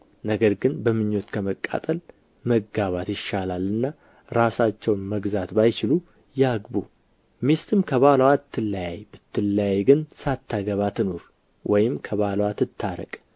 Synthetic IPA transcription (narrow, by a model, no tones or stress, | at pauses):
nəɡəɾɡɨnbəmɨɲːo̞t̪kʰəməkʼːa̰t̪ʼəl | məɡaβat̪jɪʃalalːɨnːa | ɾasat͡ʃːɛwnməɡzat̪bajt͡ʃɪlu | jaɡbu | mest̪ʰɨmkʰəβalwat̪ʰːɨlːajajb̥ɨt̪ʰːɨlːajɡɨnsat̪ʰːaɡəβat̪ʰɨno̞ɾ | wʔɔjɪmkʰəβalwat̪ʰɨt̪ʰːaɾə̰kʼ